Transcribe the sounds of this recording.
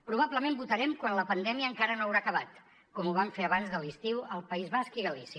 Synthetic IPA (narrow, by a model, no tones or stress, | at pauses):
pɾuβ̞abləmẽmbut̪əɾɛmkwanləpənd̪ɛmiəːŋkaɾənoəwɾakəβat̪ | kɔmuβ̞aɱfeəβanzðəlist̪iwəlˠpəizβaskiɣəlisi